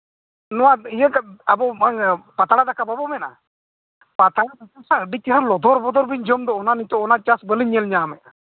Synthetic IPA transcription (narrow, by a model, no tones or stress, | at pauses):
nɔwaijəkaabɔmaŋpat̪aɽad̪akababɔmɛna̰ | pat̪aɽat̪ɔkɔsaəɖit̪əɦaɾlɔd̪ʱɔɾbɔd̪ɔɾbiɲd͡ʒɔmd̪ɔɔnanit̪ɔɔnat͡ʃasbəliɲɛlɲaːmɛʔ